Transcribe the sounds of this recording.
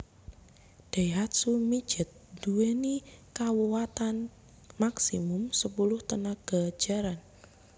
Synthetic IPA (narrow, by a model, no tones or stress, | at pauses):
d̥ajɦat̪̚sumi̥d͡ʒ̥ət̪̚d̥uwenikawuwat̪an | maksḭmʊmsəpulʊht̪ənaɡ̥ḁd͡ʒ̥aɾan